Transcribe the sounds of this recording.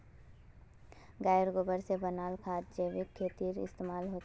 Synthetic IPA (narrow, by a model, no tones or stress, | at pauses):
ɡaːjəɾɡoːbəɾsebənaːlkʰaːt̪̚d͡ʒəːʋɪkʰːeːt̪iːɾɪ̰st̪eːmaːlɦoːt͡ʃ